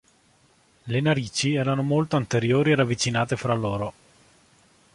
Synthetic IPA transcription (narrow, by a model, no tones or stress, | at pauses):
lenaɾiːt͡ʃiɛːɾanomolt̪oant̪eɾjoːɾieɾavːit͡ʃinaːt̪efɾalːoːɾo